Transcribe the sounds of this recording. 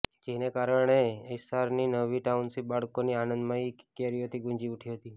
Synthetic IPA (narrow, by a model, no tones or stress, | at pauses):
d͡ʒenekaɾəɳ̃eəjsaɾninəʋiʈaunsibaɭkonianənd̪mãikkeɾiot̪iɡũɲd͡ʒiuʈʰiɦət̪i